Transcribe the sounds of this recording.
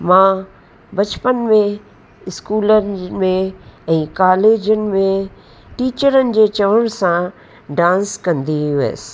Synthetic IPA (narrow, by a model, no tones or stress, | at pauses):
mãː | bɐt͡ʃpənmẽ | ɪskuːlənmẽɛ̃ːkaːleːd͡ʑənɪ̆mẽ | ʈiːt͡ʃəɾənɪ̆d͡ʑeːt͡ʃɐʋəñsã | ɖãːnskɐ̃nd̪iʋḛːs